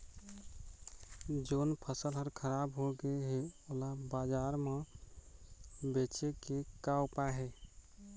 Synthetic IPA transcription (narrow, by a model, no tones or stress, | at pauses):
d͡ʒoːnpʰəsəlɦəɾkʰəɾaːbɦoɡəɦeolabad͡ʒaːɾmã | bet͡ʃekekaʊpaɦe